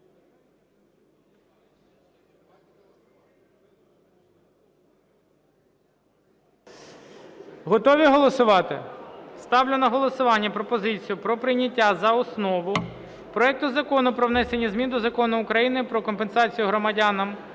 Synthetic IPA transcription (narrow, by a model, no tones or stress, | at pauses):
ɦɔt̪ɔʋʲiɦɔlˠɔsʊʋɑt̪ɪ̰st̪ɑwlʲʊnɐɦɔlˠɔsʊʋɑnʲːɐpɾɔpɔzɪt͡sʲijʊpɾɔpɾɪnʲːɐtʲːazɐɔsnɔʋʊ | pɾɔɛk̚t̪ʊzɐkɔnʊpɾɔwnɛsenʲːɐzmʲind̪ɔzɐkɔnʊʊkɾɐjinɪpɾɔkɔmpensɑt͡sʲijʊɦɾɔmɐdʲanɐm